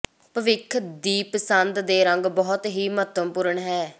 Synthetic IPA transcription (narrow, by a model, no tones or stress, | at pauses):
pəʋɪkʰd̪iːpəsənd̪d̪eːɾəŋɡbɔːt̪ɦiːmət̪əmpuːɾəɳɦɛː